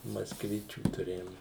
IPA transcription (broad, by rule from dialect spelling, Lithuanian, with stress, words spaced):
mɐskˈʋʲɪt͡ʃʲuː tʊˈrʲeːjoːm